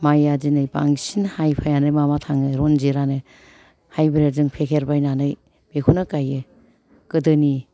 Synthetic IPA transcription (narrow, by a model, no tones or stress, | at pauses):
majad͡ʒinɯjba̰ŋsinhajpʰajanɯjmamatʰaŋɯɾonziɾanɯ | hajbɯɾeɾzɯŋpʰekʰeɾbajnanɯj | bekʰunɯkajɯ | kɯdɯni